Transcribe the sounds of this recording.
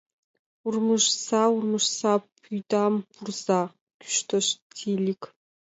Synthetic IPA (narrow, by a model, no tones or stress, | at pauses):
urmɨʒsaurmɨʒsapʰujdaːmbʰurza | ɡ̥ʲʊ̥ʃtʰɐʃtʰilikʰ